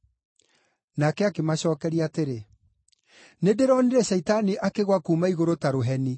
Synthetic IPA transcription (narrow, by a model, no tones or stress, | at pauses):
nakɛakemaɕɔːkɛɾiaːteɾe | nedeɾɔneɾɛɕɛitaniʔakeɣwakuːmaiɣoɾotaɾoɦɛni